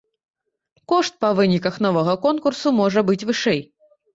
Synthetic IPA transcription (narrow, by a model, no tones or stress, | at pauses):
kɔʂt̪̚pɐvɨnʲikɐxnɔvɐɣɐkɔnkursumɔʐɐbɨt͡sʲvɨʂɛj